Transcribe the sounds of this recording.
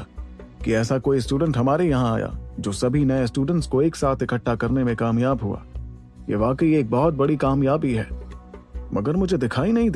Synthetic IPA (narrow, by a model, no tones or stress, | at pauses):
kiɛːsakoːisʈuːɖə̃ɳʈɦɐmaːɾejɐɦãa̰ːja̰ːd͡ʒoːsɐbʱinɐesʈuːɖə̃ɳʈskoeːksaːt̪ʰɪkʰəʈːakɐɾnemẽkaːmjaːbɦua̰ː | jḛːʋaːkəieːk̚bɔɦɔt̪̚bɐɽikaːmjaːbiɦɛ̰ː | mɐɡəɾmʊd͡ʒʱed̪ɪkʰaːinɐɦĩd̪